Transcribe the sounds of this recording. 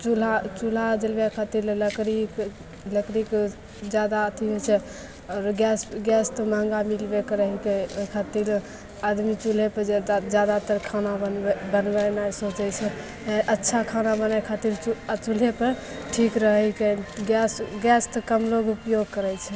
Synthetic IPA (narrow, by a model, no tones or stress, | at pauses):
t͡ʃulat͡ʃul̤ad͡ʒəlbekʰat̪iɾləkɾik | ləkɾik | d͡ʒjad̪aət̪ʰiɦojt͡ʃʰɛ | ɔɾɡɛsɡɛst̪ɔmaŋɡamilbekɾəɦikekʰat̪iɾ | ad̪mit͡ʃulepəd̪ad͡ʒjad̪at̪əɾkʰanabənbənbɛnajsot͡ʃɛt͡ʃʰɛ | ʔətːʃʰakʰanabənakʰat̪iɾt͡ʃut͡ʃul̤epəɾ | ʈʰikɾəɦɛkeɡɛsɡɛst̪ɔkəmloɡupjoɡkəɾɛt͡ʃʰɛ